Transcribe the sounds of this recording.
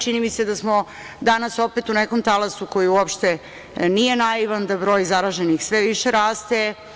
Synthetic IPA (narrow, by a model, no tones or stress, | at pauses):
t͡ʃinimise̞d̪asmo̞ | d̪anaso̞pet̪uneko̞mt̪alasuko̞jiuopʃt̪e̞ | nije̞najiʋand̪abɾo̞ːjzaɾaʒenixsʋe̞ʋiʃeɾaːst̪e̞